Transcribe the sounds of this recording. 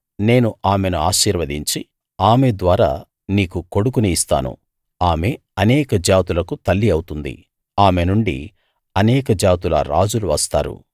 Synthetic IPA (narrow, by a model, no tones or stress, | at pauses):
ne̞ːnuʔaːme̞nuaːʃiːɾʋɐd̪iɲt͡ʃi | aːmed̪ʋaːɾa̰ː | niːkuko̞ɽukuniist̪a̰ːnṵ | aːme̞ | ɐnɛːkɐd͡ʒaːt̪ulɐkut̪ɐlːiɐwut̪und̪ḭ | aːmenuɳɖḭ | ɐnɛːkɐd͡ʒaːt̪ulɐ̰ɾa̰ːd͡ʒuluʋɐst̪a̰ːɾṵ